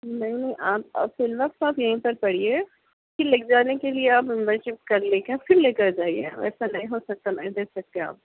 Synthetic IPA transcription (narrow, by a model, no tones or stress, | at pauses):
nɐɦĩnɐɦĩʔaːpa̰ːpfɪlʋɐqt̪aːpjɐɦĩpɐɾpɐɽ̤ie | kilɪk̚d͡ʒaːnekelieaːpɪ̃mbə̃nʃɪp̚kɐɾleːkɛ̃fɪɾleːkɐɾd͡ʒaːieɛ̰̃ɛ̰ːsanɐɦĩɦosɐk̚t̪anɐɦĩd̪eːksɐk̚t̪ẽa̰ːp̚